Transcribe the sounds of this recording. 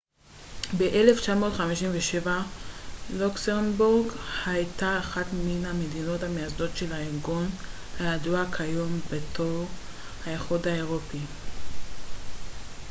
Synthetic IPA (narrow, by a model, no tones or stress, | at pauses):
beʔe̞left͡ʃamo̞tχamiʃimveʃeva | luksenbuʁɡhajtaːχatminhamedino̞thamejazdo̞tʃe̞laeʁɡon | hajaduakʰajo̞mbetʰoʁ | haeχudhaeʁopi